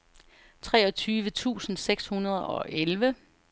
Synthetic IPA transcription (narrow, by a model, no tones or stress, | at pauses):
t͡sʰʁɛːɒ̽t͡sʰyːʋət͡sʰṵːsn̩seɡ̥shunɐð̞ˠɒ̽ʔelʋə